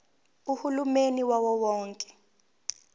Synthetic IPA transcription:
uhulumeniwawɔwɔːŋkʼɛ̥

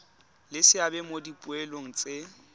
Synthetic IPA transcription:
lɪsɪabɛmodipʼʊeloŋ̩t͡sʼe

